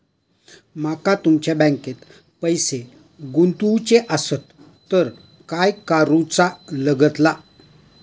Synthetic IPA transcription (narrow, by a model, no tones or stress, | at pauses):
makat̪umt͡ɕjabə̃ŋket̪ | pəjse | ɡunt̪ut͡ɕeʔəsət̪ː | əɾ | kajkaɾũt͡saləɡət̪la